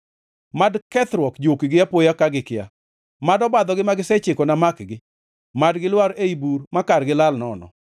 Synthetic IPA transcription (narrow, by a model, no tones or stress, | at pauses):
madkɛt̪ɾwɔkd͡ʒokiɡɪjapojakaɡɪkɪa̰ | madɔbad̪ɔɡɪmaɡɪsɛt͡ʃɪkɔnamakɡɪ | madɡɪlwaɾeibuɾmakarɡɪlalnɔnɔ̰